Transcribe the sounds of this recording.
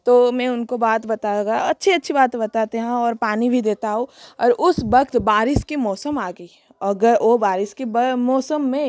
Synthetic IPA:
t̪oːmɛ̃ʊnkobaːt̪bɐt̪aɡaɐtːʃʰiɐtːʃʰibaːt̪bɐt̪aːt̪eɦãɔːɾpaːnibʱid̪eːt̪aɦoɔːɾʔʊsbɐkt̪baːɾɪskimɔːsəmaːɡəiː | ɐɡəɾobaːɾɪskibmɔːsəmːẽ

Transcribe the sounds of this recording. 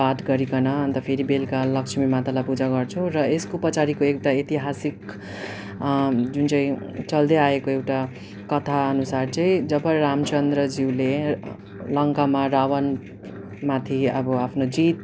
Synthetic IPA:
at̪ɡʌɾikʌnʌʌnt̪ʌpʰeɾibelkalʌksʰmimat̪alajpud͡zaɡʌrt͡sʰurʌeskopʌt͡saɾikoewʈaet̪iɦasik | d͡zunt͡sʌ̃ĩt͡sʌld̪eaekoewʈa | kʌt̪ʰaʌnusart͡sʌĩd͡zʌbʌramt͡sʌnd̪ɾʌd͡ziwle | lʌŋkamaɾawʌn | mat̪ʰiʌbʌapʰnod͡zit̪̚

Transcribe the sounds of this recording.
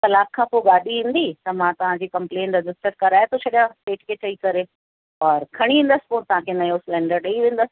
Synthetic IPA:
t̪ɐlaːkʰːãpoːɡaːɗiʋĩːnd̪it̪ɐmãt̪ɐʋ̤ãd͡ʑiːkɐ̃mplẽːnɾɪd͡ʑɪsʈəɾkɐɾaːet̪ʰot͡ɕʰɐɗijãsʈeːʈkʰeːt͡ɕʰɐikɐɾe | ɔːɾkʰɐɽ̃iʋẽːnd̪əsɪ̥poːɾt̪ɐʋ̤ãkʰenɐjosɪlɛ̃ːɳɖəɾɗeiʋẽːn̆d̪əsɪ̥̆

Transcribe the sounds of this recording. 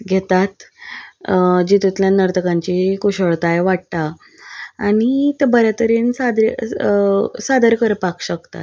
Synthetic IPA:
ɡʱet̪at̪ | d͡ʑit̪ut̪ljanəɾt̪əkãɲt͡ɕikuɕəɭt̪ajʋaʈ̚t̪aː | ɽ̃it̪ebəɾjat̪əɾensad̪ɾ | sad̪əɾkəɾpakɕəkt̪a̰t̪

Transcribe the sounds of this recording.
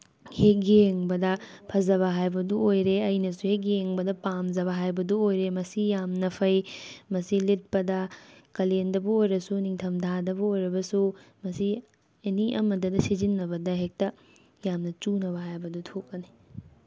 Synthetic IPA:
hek̚jeŋbɐdɐ | pʰɐzɐβɐɦajbɐduojɾeɐjnɐsuhek̬jeŋbɐdɐpamd͡ʒɐβɐɦajbɐduojɾemɐsijamnɐpʰɐjmɐsilit̚pɐdɐkɐlendɐbuojɾɐsuniŋtʰɐmdʰʱadɐbuojɾɐbɐsumɐsi | eniʔɐmɐdɐdɐsizinːɐbɐdɐɦek̚tɐ | jamnɐt͡ʃunɐβɐɦajbɐdutʰok̚ːɐni

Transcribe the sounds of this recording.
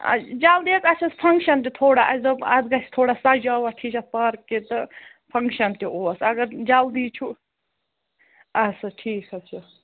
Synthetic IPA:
ɐ̰d͡ʒald̪it͡s̪ɐt͡ʃʰɐspʰɐŋɡʃɐnt̪it̪ʰoːɽaʔɐzɐɐd̪ɡɐst̪ʰoːɽasɐd͡ʒaːwɐʈʰiːt͡ʃʰɐpɐɾkːet̪ɨ | pʰɐŋkʃɐnt̪ioːsɐɡɐɾd͡ʒɐld̪iːt͡ʃʰu | ɐsɐʈʰiːkɐt͡ʃʰɐ

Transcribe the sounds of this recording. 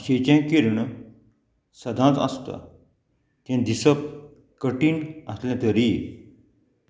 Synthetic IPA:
ɕet͡ɕãkiɾɳ | səd̪ʱãt͡sə̰st̪a̰ | t̪ẽd̪isəp̚ | kəʈiːnəslãt̪əɾi

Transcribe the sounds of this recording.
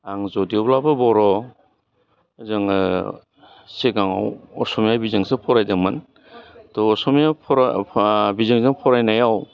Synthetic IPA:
aŋzɔdiɔblabɯbɔɾɔ | zɯŋ | seɡaŋa̰wɔ̰sɔmjabizɯŋsɯpʰɔɾajdamɯn | tɔːsɔmjapʰɔɾ | bizɯŋzɯŋpʰɔɾajnajaw

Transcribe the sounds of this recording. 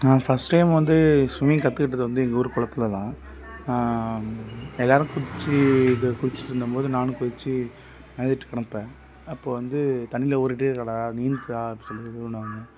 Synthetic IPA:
aːfɐsʈʈɐɪmʋɐnd̪ɯsʊmɪjkɐt̪ːɯkɪʈːɐðːɯʋɐnd̪ɯɛŋɡɐɔɾɯkɔɭɐt̪ːɪlɐt̪ãː | ɛlːaːɾɯ̃kʊɽɪt͡ʃːɯkʊɽɪt͡ʃːɯ̥ʈːɪɾɯnd̪ɯmpoːðɯnaːnɯ̃kʊɾɪt͡ʃːɯ | nɐðɪʈːɯ̥kɐɽɐnpẽː | ɐpːoːʋɐnd̪ɯt̪ɐnːɪlɐoːɾɪʈːekɐɽɐːniːnd̪aːpːsɔlːɐðʊnaːɐŋɡɐ

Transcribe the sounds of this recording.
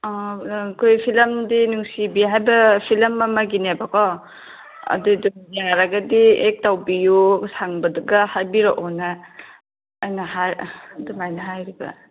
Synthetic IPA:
ɔkʰojpʰilɐmdinuŋsibiɦajbɐpʰilɐmːɐmɐɡinebakʰɔ | ɐ̰dudumiaɾaɡɐdiek̚tawbijusaŋbɐduɡɐhajbiɾɔʔɔnaː | jnahajdumajnɐɦajɾibɐ̰

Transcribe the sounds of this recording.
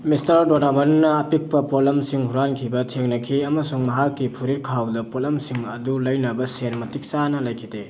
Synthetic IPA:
mistɐɾdonamɐnːɐːpik̚pɐpoblɐmsiŋhuɾankʰibɐtʰeŋnɐkʰiɐmɐsuŋmɐɦakːipʰuɾiɾ̚kʰawdɐpolɐmsiŋɐdulɐjnɐbɐsenmɐtik̚sanɐlɐjkʰide

